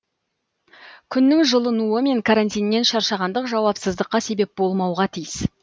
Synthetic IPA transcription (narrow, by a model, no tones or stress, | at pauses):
kʲʰʏnːɪŋʒəlˠənuəme̞ŋkʰaɾant̪ʲijnːe̞nʃɑɾʃɑʁɑnd̪əqʒɑwɑpsəzd̪əqːɑse̞be̞p̚bo̞lˠmɑwʁɑt̪ʰijəs